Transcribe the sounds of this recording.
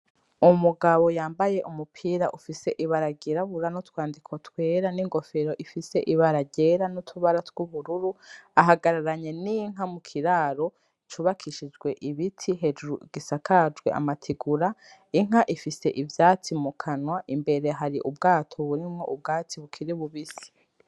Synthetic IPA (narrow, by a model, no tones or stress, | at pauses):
umuɡaβo̞jaːmbaje̞ʔumupʰiːɾaʔufise̞ʔiβaɾaɡiɾaβuɾanotwaːndikʰo̞twe̞ːɾaniŋɡo̞fe̞ɾo̞ʔifise̞ʔiβaɾaɟe̞ɾanutʰuβaɾatwuβuɾuɾuaɦaɡaɾaɾaɲe̞niŋ̥ɦamukʰiɾaːɾo̞ | it͡ʃuβakʰiʃid͡ʒɡwe̞ʔiβitʰiɦed͡ʒuɾuɡ̥isakʰad͡ʒɡwḛʔa̰matʰiɡuɾaiŋ̥aʔifise̞̰ʔivjat͡simukʰanwaʔimbe̞ɾe̞ɦaɾiʔubɡaːtʰoβuɾimŋo̞̰ʔub̚ɡaːt͡siβukʰiɾiβuβisi̥